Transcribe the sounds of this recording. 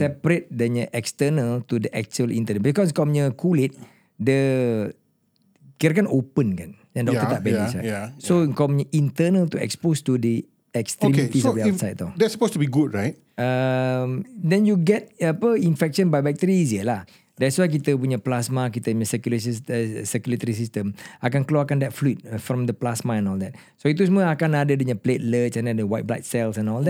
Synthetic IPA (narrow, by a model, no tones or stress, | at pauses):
sɛpɾet̪̚dəɲəʔɛkst̪ənəlt̪udəʔɛk̚t͡ʃuəlʔḭ̃nt̪ənəbikɔskɔmɲəkʰulɪt̪̚ | də | kiɾakanʔopənkanjãŋdɔkkt̪ət̪aʔ̚bɛlisa̰asoəŋkamɲəʔint̪ənəlt̪uɛ̰kspost̪udə | ɛkst̪ɾimeit̪isbisajt̚t̪ɔdɛtsə̥postubiɡud̚ɹajt̚ | əmdɛ̃njuɡɛt̚apəinfɛkʃɔ̃nbajbɛk̚t̪əɾiːziəlah | dɛtswajk̬it̪əpuɲaplasmak̬it̪əpuɲasəkjuləs̬issəkjulət̪əɾis̬istə̃makankəluakandɛt̚flut̚fɾɔ̃mdəplasmaɛ̃nɔldɛt̚ | soit̪̬us̬uməakanadədəɲãplet̚lət͡ʃɛ̃nadəawajt̚bla̰tsɛlsɛ̃nɔldɛ